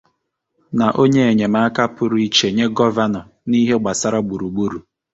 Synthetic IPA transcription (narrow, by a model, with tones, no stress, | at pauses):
na˨ʔo˦ɲe˦e˨ɲe˨ma˦a˦ka˦pʊ˦ɾʊ˦i˦t͡ʃe˨ɲe˦ɡɔ˦va˦nɔ˨ | ni˦ɦe˦ɡ͡ba˨sa˦ɾa˦ɡ͡bu˨ɾu˨ɡ͡bu˦ɾu˨